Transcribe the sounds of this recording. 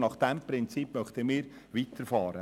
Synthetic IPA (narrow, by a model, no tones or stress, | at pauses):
nɑχd̥ɛmpɾɪnt͡siːpːmœχt̪əmiːɾ | ʋiːtəɾfɑːɾə